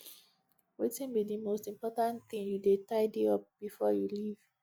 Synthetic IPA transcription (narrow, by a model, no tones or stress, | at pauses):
wetĩnbidimostĩmpɔtãnθĩŋjudetaɪdeɔp̚b̥ifɔjuliv̥